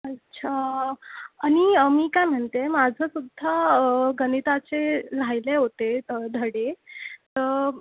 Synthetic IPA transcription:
ətːɕʰaː | ɽ̃iəmiːkajm̤əɳt̪emad͡zʱəsud̪ʱːaɡənit̪at͡selajleɦot̪ed̪ʱəɽet̪ə

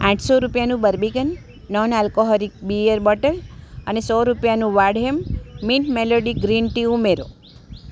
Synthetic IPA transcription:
ãʈʰsɔɾupjanũbəɾbikənː | ɔnɛlkoɦɔɾik̚biəɾbɔʈələnesɔɾupjanũʋaɖɦemːiɳʈmeloɖiɡɾinʈiumeɾo̰

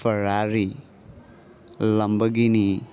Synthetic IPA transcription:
pʰɐɾaɾi | lɐmbəɡini

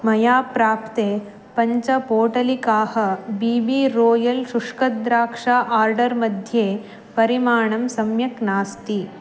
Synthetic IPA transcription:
mɐjaːpɾaːpt̪eː | pɐɲt͡ʃɐpoːʈɐlikaːhɐ̆biːbiɾoːjɐlʃuʂkɐd̪ɾaːkʂaːʔaːɾɖɐɾmɐd̪ʱjeː | pɐɾimaːɳɐmsɐmjɐknaːst̪i

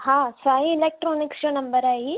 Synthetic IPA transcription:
hãːsaːjiːlek̚ʈɾoːniksʈɐnɐmbɐɾaːji

